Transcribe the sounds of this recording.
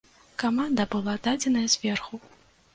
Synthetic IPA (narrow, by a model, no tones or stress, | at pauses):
kamand̪ɐbɨlˠad̪ad͡zʲɛnɐjɐzʲvʲɛrxu